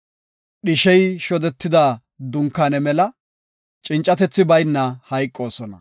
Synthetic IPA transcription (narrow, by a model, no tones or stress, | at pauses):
ɗɪʃɛjʃɔd̪ɛt̪ːɪd̪aː | d̪ʊŋkːanɛmɛlɐ | t͡ʃʼɪnt͡ʃʼːɐt̪ɛt͡sːɪbɐjnːɐhɐjkʼːo̞ːsɔnɐ̰